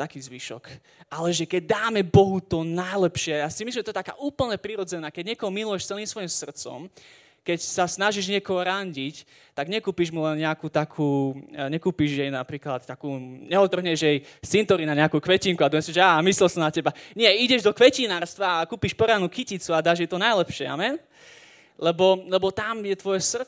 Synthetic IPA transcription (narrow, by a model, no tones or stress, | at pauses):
t̪akiːzʋiːʃɔ̰k | ʔalɛʒɛkɛɟ̚d̪aːmɛbɔɦut̪ɔnajlɛpʃɪɛjaːsimislimʒɛt̪ɔɛt̪aka̰ːʔuːpl̩ɲɛpɾiɾɔd͡zɛnaːkɛɟɲɪɛkɔɦɔmilujɛʃt͡sɛlniːmsʋɔjimsr̩t̪t͡sɔ̰m | kɛcsasnaʒiʒɲɪɛkɔɦɔɾaɲɟic | t̪aɡɲɛkuːpiʒmulɛnɲɛakut̪akʰuːɲɛkuːpiʒjɛjnapɾiːklat̪t̪ːakuːɲɛɔt̪ːr̩ɦɲɛʒjɛjsint̪ɔɾinaɲɛakuːkʋɛciŋkuad̪ɔmɛsɛʒɛaːmislɛlsɔmnacɛbaɲɪɛiɟɛʒd̪ɔkʋɛcinaːɾst̪ʋaːkuːpiʃpɔɾanukicit͡suad̪aːʒjɛt̪ɔnajlɛpʃɪɛa̰mɛn | lɛbɔlɛbɔt̪amjɛt̪ʋɔjɛsr̩